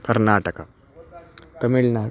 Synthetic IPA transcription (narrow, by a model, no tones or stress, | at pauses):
kɐɾnaːʈəka | t̪ɐmiɭna